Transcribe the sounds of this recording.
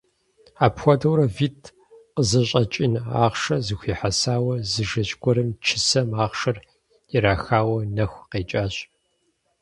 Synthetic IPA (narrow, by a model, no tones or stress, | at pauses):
aːpxʷɔdɐwɾɐvitʰ | qəzɐɕʼɐt͡ʃʼina̰ːʁʂɐzɨxʷiːħasaːwɐzɨʒɐt͡ʃʼɡʷʰɔɾɐmt͡ʃʰɪsɐmaːʁʃɐr | iɾaːxaːwɐnɐxʷqeːt͡ʃʼaːɕʼ